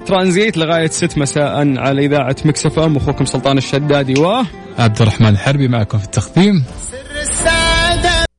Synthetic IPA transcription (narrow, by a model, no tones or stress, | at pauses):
t̪ɾˤɑːʔnzeːt̪lɪɣaːjat̪sɪt̪ːmasaːʔanʕalaʔɪðaːʕamɪksafamwaxuːkʊmsʊlt̪ˤɑːnɪʃːad̪ːaːd̪iwaː | ʔab̚d̪ɪrˤːɑħmaːnlħɑɾˤbimaʕkʊmfi̥t̪ʰːaxd̪iːm | sad̪